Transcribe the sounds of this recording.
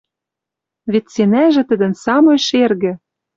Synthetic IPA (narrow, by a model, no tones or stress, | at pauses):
βet̪senæʒɘ̆t̪ɘ̆d̪ə̆nsɑmɤjʃerɣɘ̆